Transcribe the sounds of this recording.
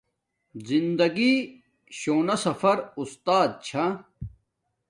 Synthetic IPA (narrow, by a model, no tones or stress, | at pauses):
zind̪ɐɡi | ɕoːnɐsɐfɐɾust̪aːd̪̚t͡ɕʰa